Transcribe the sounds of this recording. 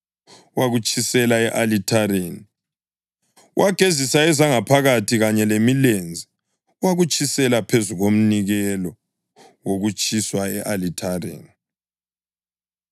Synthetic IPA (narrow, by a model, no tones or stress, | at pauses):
waɣut͡ʃʼʰisɛlaɛʔalitʰaɾeni | wʔaɡ̥ʱezisaɛzaŋapʰaɣatʰiɣaɲɛlemilend͡zʱi | waɣut͡ʃʼisɛlapʰezuɣom̩niɣɛlɔ | woɣut͡ʃʼiswaɛʔalitʰarḛːni